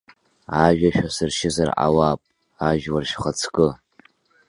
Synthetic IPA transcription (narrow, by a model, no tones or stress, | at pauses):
aʒᶣaʃᶣʷasɨrʃɪzarʔa̰waːpʼ | aʒwarʃχat͡sʰkʼɨ